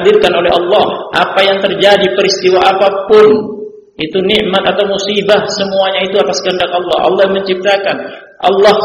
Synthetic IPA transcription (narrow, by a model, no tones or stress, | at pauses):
d̪ɪrkanolɛɦɑlːɑhʔapajaŋt̪ərd͡ʒadipəɾist̪iwaʔapapʊn | it̪uniʔmat̪at̪awmusibahsəmuaɲait̪uat̪askəəndakɑlːɑɦʔɑ̰lːɑjməɲt͡ʃip̚t̪akan | ʔɑ̰lːɑ